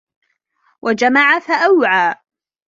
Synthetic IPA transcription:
wʔad͡ʒamaʕafaʔawʕaː

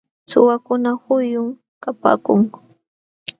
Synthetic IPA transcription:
sʊ̰wakʊnahʊjʊŋ | kapa̰ːkʊŋʊ

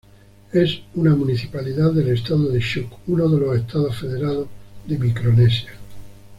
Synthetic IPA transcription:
esunamuniθipaliðaðele̞st̪aðoðeʃukunoðelo̞sest̪aðosfeðeɾaðoðemikɾonesja

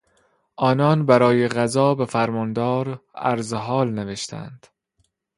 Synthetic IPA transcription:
ʔɒːnɒːnbæɾɒːjeɣæzɒːbefæɾmɒnd̪ɒːɾæ̰ɾzeɦɒːlneveʃt̪ʰæ̰nd̪̥

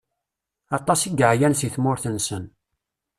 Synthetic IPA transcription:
ɑt̪ˤːɑsiɡəʕjænsiθmʊɾθənsən

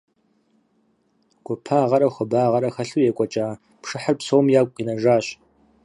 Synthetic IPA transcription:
ɡ̥ʷʊpʰaːʁɐɾɐxʷʊbaːʁɐɾɐxɐɬujɛkʷʼɔt͡ʃʼaː | pʰʂɨħərpsowmjaːkʷʼqʼinɐʒaːɕ

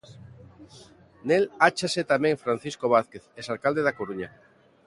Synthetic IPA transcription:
nelat͡ʃaset̪amẽŋfɾãn̟θiskoβ̞aθkeθesalkald̪eðakoɾuɲa

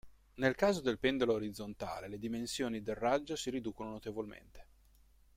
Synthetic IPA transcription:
nelkaːzod̪elpend̪oloːɾid̪zont̪a̰ːleled̪imensjoːnid̪errːad͡ʒːosiɾid̪uːkononot̪evolmḛnt̪e̥

